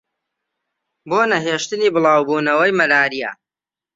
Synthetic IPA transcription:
boːnɐɦeːʃt̪ɨniːbɨlˠɑːwbuːnɐwɐjmɐɾaːɾijɐ̰

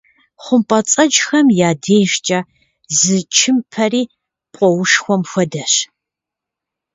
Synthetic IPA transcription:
χʷʊmpʼɐt͡sʼɐd͡ʒxɐmjaːdeːjʒt͡ʃʼaː | zɨt͡ʃʰɪmpʰɐriː | pʷʼɔwʊʂxʷɔmxʷɔdɐɕ

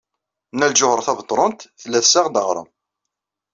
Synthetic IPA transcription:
nːælʒʊhəɾˤθɑvət̪ˤːɾˤənt̪θlːæθsaʁd̪əʁɾˤə̰m

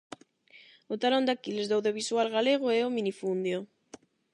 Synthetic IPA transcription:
ʊt̪alɔ̃nd̪akilezðawðjoβ̞iswalɣaleɣ̞ʊɛʊminifund̪jo

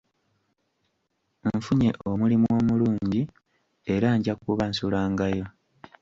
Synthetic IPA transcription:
ɱfuɲe̞ʔo̞mulimuo̞ːmuluːɲɟi | eɾaːɲɟakuβansulaːŋɡajo̞

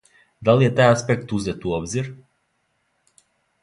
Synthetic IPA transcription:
d̪alijet̪ajaspekt̪uzɛt̪uɔbziɾ

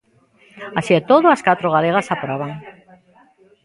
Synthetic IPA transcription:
asiet̪oðoaskat̪ɾoɣ̞aleɣ̞asapoɾaβaŋ

